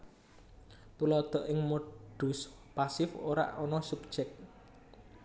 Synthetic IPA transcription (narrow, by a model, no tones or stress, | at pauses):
t̪ulɔd̪̥ɔ̤ʔɪŋmoɖ̥ṳs | pasɪfoɾa̰ʔɔnɔsup̚ʒ̥ɛk̚